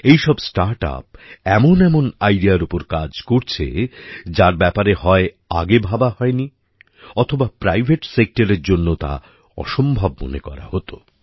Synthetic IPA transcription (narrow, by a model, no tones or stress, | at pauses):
ejʃɔbsʈaɾʈa̰pɛmonɛmonajɖiaɾupoɾkad͡ʑkoɾt͡ɕʰḛd͡ʑaɾbɛpaɾehɔe | a̰ɡebʱabaɦɔeni | ɔt̪ʰobapɾajbʱeʈsek̚ʈaɾeɾd͡ʑonːot̪a̰ | ɔ̰ʃombʱabmo̰nekɔ̰ɾa̰hot̪o